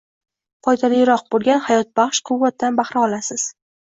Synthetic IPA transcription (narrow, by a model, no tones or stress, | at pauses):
qʰɒjt̪ʰalijɾɒq̚bolˠɡʲanhajɒt̪̚b̥ɑχʃqʰʊwːat̪̚d̪anbaχɾɪɒlasɪz̥